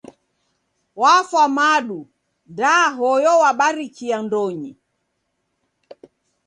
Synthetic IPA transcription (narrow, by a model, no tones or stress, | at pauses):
wafwamaɗu | ndaɦɔjɔwaɓaɾikiandɔɲi